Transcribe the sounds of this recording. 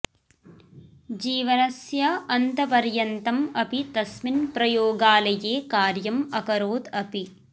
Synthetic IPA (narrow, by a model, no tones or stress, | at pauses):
d͡ʒiːʋɐnɐsjɐɐnt̪ɐpɐɾjɐnt̪ɐmɐpit̪ɐsminpɾɐjoːɡaːlɐjeːkaːɾjɐmɐkɐɾoːd̪ɐpi